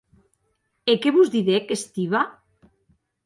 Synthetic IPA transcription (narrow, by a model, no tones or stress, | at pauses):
ekeβuzðiðekest̪iβa